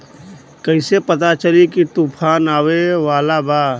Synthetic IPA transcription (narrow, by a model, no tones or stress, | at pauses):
kəɪsepət̪at͡ʃəlikit̪upʰaːnaːweʋaːlabaː